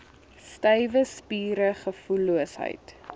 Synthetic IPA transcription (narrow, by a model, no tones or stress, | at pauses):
stəjvəspiːɾəχəfuluəsɦə̰jt